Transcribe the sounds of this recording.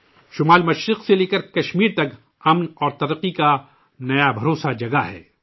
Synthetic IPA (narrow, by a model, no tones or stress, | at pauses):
ʃʊmaːlmɐʃɾɪqseleːkəɾkɐʃmiːɾt̪ɐk | ɐmnɔːɾt̪ɐɾəqːika | nɐjabʱɐɾoːsad͡ʒɐɡaɦɛ̰ː